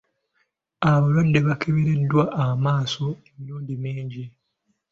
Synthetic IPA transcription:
aβalwadːe̞βakʰeβeɾe̞dːwaʔːmaːso̞emiluːɲɟimiːɲɟi

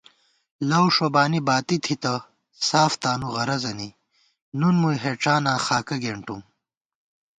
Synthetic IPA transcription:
lɐwʂobaːnibaːt̪it̪ʰit̪ɐ | saːft̪aːnuʁɐɾɐzɐni | nunmujɦeʈ͡ʂaːnãːxaːkɐɡeːɳʈum

